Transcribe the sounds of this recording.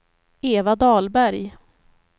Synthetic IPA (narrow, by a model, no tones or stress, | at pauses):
eːvad̪ɑːlbæɾj